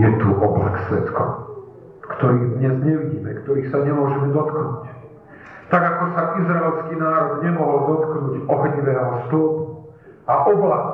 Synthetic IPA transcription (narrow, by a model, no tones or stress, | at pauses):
jɛt̪uʔɔbla̰ksʋɛ̰t̪kɔ̰ | kt̪ɔɾiːd̪ɲɛzɲɛʋiɟiːmɛkt̪ɔɾiːsaɲɛmʊɔʒɛmɛd̪ɔt̪knuːc | t̪aɡakɔsaʔizɾaɛlskiːnaːɾɔd̪ɲɛmɔɦɔld̪ɔt̪knuːɟɔɦɲiʋɛːɦɔst̪ɔːpuu | aʔɔbla